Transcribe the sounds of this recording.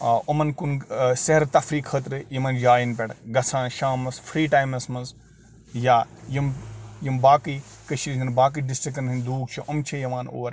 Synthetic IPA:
omɐnkunsɐɦɐɾt̪ɐfɾiːkʰət̪̬ɾɨjimɐnd͡ʒaːjinpʲeɽɡɐsʰãːʃaːmɐsfɾiːʈaːjmɐsmɐnz | jaːjimjimbaːkiːkəʃiɾizɐnbaːk̬iːɖisʈɾikːɐnɦinʲd̪uːɡt͡ʃʰiʔɐmt͡ʃʰejɐʋaːno̰ːɾ

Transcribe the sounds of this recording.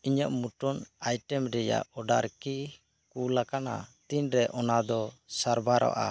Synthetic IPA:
iɲəʔmuʈɔnajʈɛmɾɛja̰ʔɔɖaɾki | kulakana̰t̪iɲɾɛʔɔnad̪ɔsaɾbʱaɾa̰ʔa̰

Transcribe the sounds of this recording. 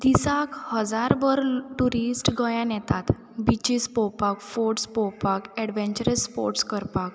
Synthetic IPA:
d̪isakhəd͡zaɾbəɾʈuɾisʈɡɔjãnɛt̪at̪ | bit͡ɕispɔpakfoɾʈspɔpakɛɽʋɛ̃nt͡ɕəɾəsːpo̰ɾʈskəɾpak

